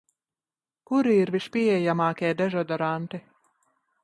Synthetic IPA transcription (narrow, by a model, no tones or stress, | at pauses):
kuɾiiɾviʃpʲiɛjamaːkʲɛːd̪ɛʒɔd̪ɔɾant̪i